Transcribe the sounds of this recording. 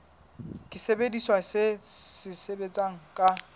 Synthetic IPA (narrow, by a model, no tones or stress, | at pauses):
kʼɪsebediswasɪsɪsebet͡sʼaŋ̩kʼa